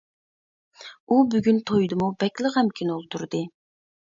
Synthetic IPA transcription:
ubyɡʲynt̪ʰojd̪ɨmubɛkʲlˠəqhɛmkʲʰinɨolˠt̪ʰuɾd̪ɨ

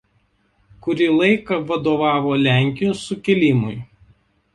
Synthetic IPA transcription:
kʊɾʲilˠɐɪkɐʋɐd̪oːʋɑːʋoːlʲæˑŋʲkʲɪjʊsʊkʲɛlʲimʊɪ

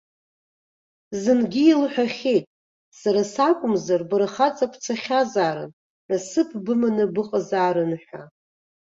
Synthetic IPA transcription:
zɨnɡʲɪilħᶣaχʲejtʼ | saɾasakʷʼʊmzarbɨrχat͡sʼapʰt͡sʰaχʲazaːɾɨ̰n | nasɨpʰbɨmanɨbɨqʼazaːɾɨnħʷᶣa̰

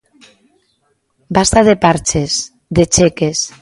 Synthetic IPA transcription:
bast̪aðepaɾt͡ʃes | d̪et͡ʃekes

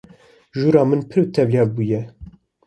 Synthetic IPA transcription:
ʒuːɾɑːmɨnpʰɨɾwt̪ʰɛvlijɑːvbuːjɛ

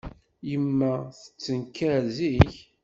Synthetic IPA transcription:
jəmːæθə̥t͡sːənkːæɾziç

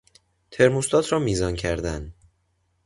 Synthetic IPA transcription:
t̪ʰe̞ɾmust̪ɒːt̪ʰɾɒːmiːzɒːncʰæɾd̪æn

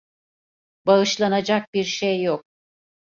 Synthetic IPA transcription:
baɯʃlˠanad͡ʒak̚biɾʃejːok̚

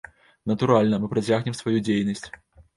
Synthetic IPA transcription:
nɐt̪uɾalʲnɐmɨpɾɐt͡sʲaɣnʲɛmsvajud͡zʲejnɐsʲt͡sʲ

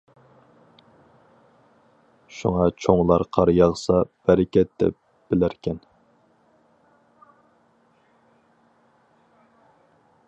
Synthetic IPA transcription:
ʃuŋɑt͡ʃʰoŋlˠɑɾqʰɑɾjɑʁsɑb̥æɾɛkʲɛt̪d̪ɛ̰p̚ | b̥ɪlæɾkʲʰɛn

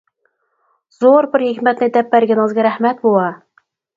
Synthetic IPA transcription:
z̥oɾbɪɾhekʲmɛt̪nɪd̪ɛpːæɾɡʲɛnɨŋɨzɡʲɛɾæhmɛt̪̚bolˠɑ

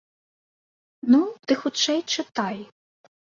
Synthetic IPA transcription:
nud̪̥ɨxʊt͡ʂɛjt͡ʂɪt̪ɑj

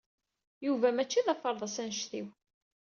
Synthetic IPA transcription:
juvæmæt͡ʃːiðɑfəɾˤðˤɑsænʃθḭw

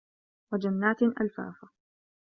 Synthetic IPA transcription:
wad͡ʒanːaːt̪ʔa̰lfa̰ːfa

